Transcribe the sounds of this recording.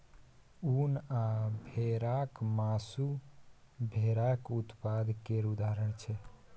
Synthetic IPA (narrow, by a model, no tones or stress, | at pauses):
unabʱeɾakmasu | bʱeɾakut̪pad̪ʱkeɾud̪aɾəɳt͡ʃʰɛ